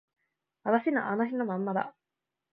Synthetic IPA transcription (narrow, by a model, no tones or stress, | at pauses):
βat̪aɕinaʔanoçino̞mãmːad̪a̰